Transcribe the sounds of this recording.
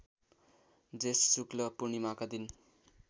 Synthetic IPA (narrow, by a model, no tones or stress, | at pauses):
d͡zessuklʌpunimakad̪in